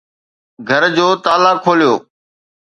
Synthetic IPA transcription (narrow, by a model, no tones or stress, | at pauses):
ɡʱəɾd͡ʑoːt̪aːlakʰːoːlijoː